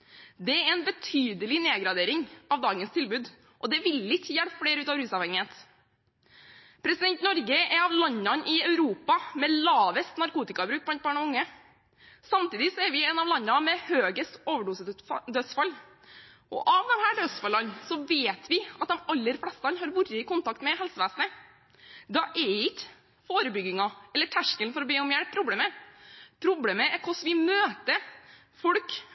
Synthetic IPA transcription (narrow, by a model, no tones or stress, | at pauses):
d̪ɛɛɾɛnbət̪ʰyːd̪əlɪneːɡɾɑd̪eːɾɪŋɑʋd̪ɑːɡənst̪ʰɪlbʉːd̪ | ʔɔd̪ɛʋɪlɪçːəjæɽpfɽeːɾʉːt̪ɑːʋɾʉːsɑʋhɛŋːɪheːt̪ | pʰɾɛsɪd̪ɛnt̪nɔɾɡəʔɛɑʋlɑnːɑnʔɪɑʉɾuːpɑmɛlɑːʋəst̪nɑɾkuːt̪ɪkɑbɾʉːk̚blɑnt̪bɑːɳɔʋʊŋːə | sɑmt̪iːd̪ɪsɔɛɾʋɪɛːnɑʋlɑnːɑmɛhøːɡəst̪oːʋəɖuːsd̪œsfɑl | ʔɔ̰ʔɑʋd̪ɛmhæːɖøsfɑlɑnsɔʋeːt̪ʰʋɪɑt̪̚d̪ɛmɑlːəɾflɛst̪ɑnhɑːɾʋʊɾəɪkʊnt̪ɑkt̪mɛhɛlsəʋeːsnə | d̪ɑʔɛɪk | foːɾəbʏɡɪŋɑɛlːəʈʰæʂkəlnfɔɾɔbeːɔmjæɽpʰːɾʊbleːməpʰɾʊbleːməɛɾkʰʊsʋɪmøːt̪ə | fɔɽk